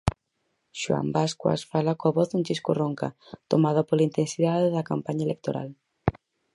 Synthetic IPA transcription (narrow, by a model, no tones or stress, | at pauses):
ʃua̰mbaskwa̰sfalakoaβɔθðunt͡ʃiskoroŋka̰t̪omaðapolaint̪ensiðaðeðɐkampaɲaelek̚t̪oɾa̰l